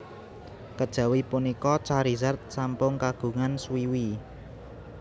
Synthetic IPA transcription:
kəd̥ʒ̥ä̤wipunikɔt͡ʃaɾizart̪̚sampʊŋkaɡ̥ṳŋanswiwi

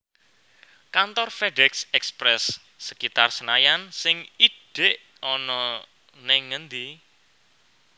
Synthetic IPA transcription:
kant̪ɔrfeɖɛksɛkspɾɛsː | əkit̪arsənajansɪŋiɖ̥eʔ | ɔnɔ | nɛŋənd̪i

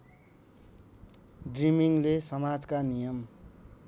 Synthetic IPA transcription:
ɖrimiŋlesʌmad͡zkanijʌm

